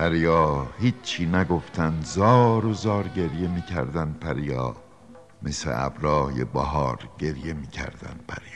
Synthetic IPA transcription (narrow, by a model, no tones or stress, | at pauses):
pʰæɾijɒːhiːt͡ʃʰiːnæɡoft̪ʰænd̪zɒːɾozɒːɾɟe̞ɾje̞miːcʰæ̰ɾd̪ænd̪̚pʰæɾijɒː | mesḛʔæ̰bɾɒːjḛbæɦɒːɾɟ̥e̞ɾje̞miːcʰæ̰ɾd̪̥æ̰nd̪̥̚pʰæ̰ɾjː